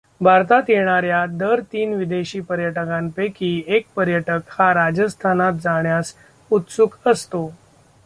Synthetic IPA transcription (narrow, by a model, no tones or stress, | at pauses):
bʱaɾt̪at̪jeɽ̃aɾjad̪əɾt̪iːnʋid̪eɕiːpəɾjəʈəkãmpekiːek̚pəɾjəʈəkhaɾad͡ʑəst̪ʰanat̪̚d͡zaɳjas | ut̪sukəst̪o